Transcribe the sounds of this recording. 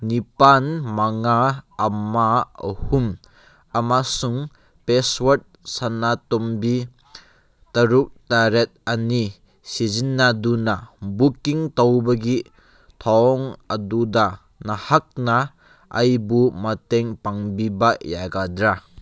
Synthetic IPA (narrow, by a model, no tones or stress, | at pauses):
nipanmaŋaːmahum | amasuŋ | peswat̚sanatombi | tɐɾuk̚taɾet̪̚ani | sizinːadunabukiŋtawbɐɡi | tʰɔŋaduda | nahak̚na | ʔːjbumateŋpaŋbibajaɡadɾa